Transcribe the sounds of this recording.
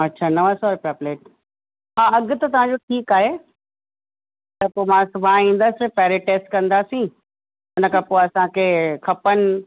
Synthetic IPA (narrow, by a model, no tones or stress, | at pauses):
ɐtːɕʰaːnɐʋasɔːɾpɾaːpleːʈ̚ | ɦaːɐɠʊt̪ɐt̪ɐʋ̤ãɲd͡ʑoʈʰiːkaːɦeː | t̪ɐpoːmãsʊbʱaĩːn̆d̪aːsɪpɛːɾeʈeːsʈkɐ̃nd̪aːsĩ | ɪnəkʰapoːɐsãkʰeːkʰɐpənɪ̆